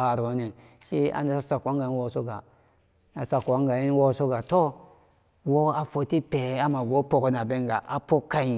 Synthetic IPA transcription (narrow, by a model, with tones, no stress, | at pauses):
a˨ɾo˨˦ni˨ʃi˦a̰˦n˦da˦sa˦sa˨kʷa˦ŋɡa˨i˦wo˦˨so˦ɡa˨ | a˨sa˨kʷa˦ŋɡa˨i˦n˦wo˦˨so˦ɡa˨to˦ | wo˦a˨fo˨ti˦pe˨˦a˦ma˨ɡo˦po˨ko˨˦na˨be˦ŋɡa˨ʔa˨po˦ka˦i˨